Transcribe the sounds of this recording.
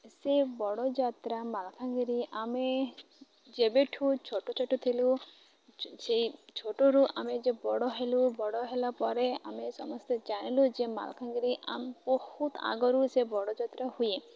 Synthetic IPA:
sebɔɽɔd͡ʒat̪ɾamalkʰaŋɡiɾiame | d͡ʒebeʈʰut͡ʃʰoʈot͡ʃʰoʈot̪ʰilu | set͡ʃʰoʈoɾuʔamed͡ʒebɔɽɔɦelubɔɽɔɦelapɔɾea̰mesɔmɔst̪ed͡ʒaɽ̃ilud͡ʒema̰lkʰaŋɡiɾiʔa̰mbɔhut̪a̰ɡɔɾusebɔɽɔd͡ʒat̪ɾahuje

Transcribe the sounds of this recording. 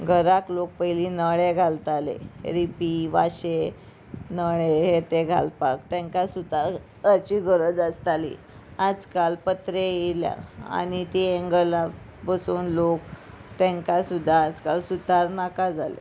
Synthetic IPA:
ɡʱəɾaklok̚pəilinəɭeɡʱalt̪alḛɾipiʋaɕe | nəɭeɦet̪eɡʱa̰lpak̚t̪ɛ̃ŋkasud̪ʱa | ət͡ɕiɡʱəɾəd͡zəst̪alḭ | ad͡zkalpət̪ɾeelja̰a̰ñit̪ieŋɡəla | bəsuːnlok | t̪ɛ̃ŋkasud̪ʱːaːd͡zkalsut̪aɾnakad͡zʱalḛ

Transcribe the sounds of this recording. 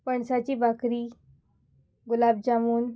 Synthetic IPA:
pəɳsat͡ɕiːbakɾiː | ɡulab̚d͡ʑamuːn

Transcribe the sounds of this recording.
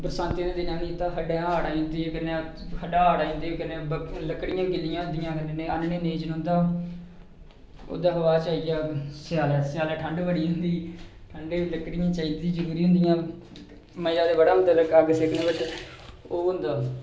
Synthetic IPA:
pəɾəsãːnt̪ẽnẽːd̪ɪnãːnĩːt̪ːãːkəɖẽːaːɽaːĩːnd̪iːkənːe | kʰəɖaːaːɽaːĩːnd̪ioːkəneːbələkːɽɪjãːɡɪlɪjãːd̪ɪjãːkənenẽːənneːneːd͡ʒnɦʊ̃nd̪aː | o̰ːd̪aːɦəʋaːt͡ʃaːid͡ʒaːsjaːlɛːsɪjaːlɛːʈʰəɳɖʋəɽiːɦʊ̃nd̪iːʈʰəɳɖeːləkːɽɪjãːt͡ʃaːiːd̪iːzəɾuːɾiːɦʊ̃nd̪ɪjãː | məjaːd̪eːbəɽãːmət̪ələkaɡsekʰnẽːbət͡ʃ | oːɦʊ̃nd̪aː

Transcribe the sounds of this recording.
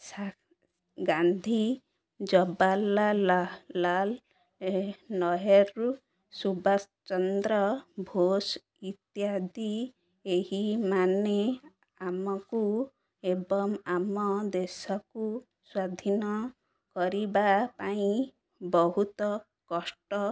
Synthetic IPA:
sa | ɡand̪ʱi | d͡ʒɔbalaː | al | enɔɦɔɾu | subas | t͡ʃɔnd̪ɾɔbʱos | it̪jad̪i | ehimane | amɔku | ebɔŋamɔd̪esɔku | swad̪ʱinɔ | kɔɾibapaĩ | bɔɦut̪ɔ | kɔsʈɔ

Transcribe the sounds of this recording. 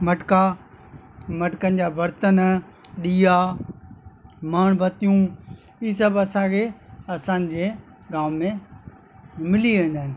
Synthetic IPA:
mɐʈka | mɐʈkənɪ̆d͡ʑaːbɐɾt̪ən | ɗiːaː | maːɽ̃bʱɐt̪ijũ | iːs̬ɐbɐsãkʰeːɐsãːnɪ̆d͡ʑeː | ɡaːmːẽ | mɪliʋẽːn̆d̪aːɪnɪ̆

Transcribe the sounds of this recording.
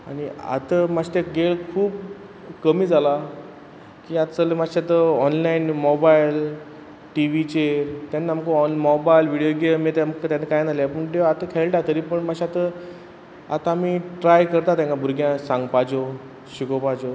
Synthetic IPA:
aɽ̃ia̰t̪əmat̪eɡeɭkʰuːb | kəmiːd͡zala | kiːat̪t͡səlemaɕat̪əɔnlainmɔbail | ʈiʋit͡ɕet̪anːaamkoɔnmɔbajlʋiɽijoɡeɭmet̪amkt̪janakajnaljapəɳʈeat̪əkʰɛlʈat̪əɾiːpəɳmaɕiat̪ə | a̰t̪aːmiːʈɾajkəɾt̪at̪ãŋkabʱuɾɡjãsãŋɡpad͡zo | ɕikopad͡zo

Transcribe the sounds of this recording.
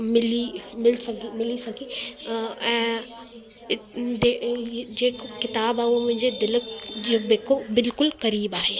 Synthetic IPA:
mɪlimɪlsɐɡʱimɪlisɐɡʱi | ɛ̃ː | d̪ed͡ʑeːkkɪt̪aːbaːumʊ̃ɦɪ̃ɲd͡ʑed̪ɪləkobeːkobɪlkʊlkɐɾiːbaːɦeː

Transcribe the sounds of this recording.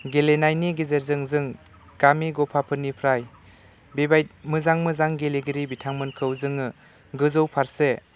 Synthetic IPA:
ɡelenajniɡezeɾzɯŋzɯŋ | ɡ̥amiɡɔpʰapʰɯnːipʰɾaj | bebajt̚mɯzaŋmɯzaŋɡeleɡiɾibitʰaŋmɯnkʰɯwzɯŋɯ | ɡɯzowpʰaɾse

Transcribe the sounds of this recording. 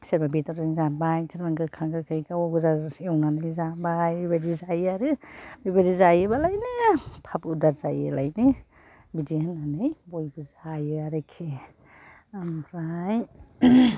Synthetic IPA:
seɾmabitaɾiŋzanbajsʰeɾmaŋɡɯkʰaŋɡɯkʰɯjkawɔɡɯzaɔwnanɯjzabajbibadizajaɾɯbibadizajɯbalajnɯpʰabudaɾzajɯ̰la̰jnɯ | bidihɯnːanɯjbojbɯzajɯaɾɯkʰi | ampʰɾaj

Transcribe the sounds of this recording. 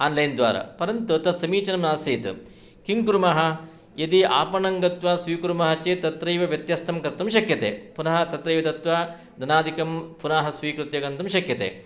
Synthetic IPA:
aːnlɐjnd̪ʋa̰ːɾɐ̰pɐɾɐnt̪ut̪ɐsɐmiːt͡ʃɐnɐmnaːsiːt̪ | kiŋkuɾumaːɦɐ | jɐd̪iaːpɐɳɐŋɡɐt̪ʋaːsʋiːkuɾmɐɦɐt͡ʃeːt̪ɐt̪ɾɐjʋɐʋjɐt̪jɐːst̪ʰɐmkɐɾt̪umʃɐkjɐt̪ḛːpunɐɦɐt̪ɐt̪ɾɐjʋɐt̪̬ɐt̪ʋaː | d̪ɐnaːd̪ikɐmpunaːɦɐsʋiːkɾut̪jɐɡɐnt̪umʃɐkjɐt̪ḛː

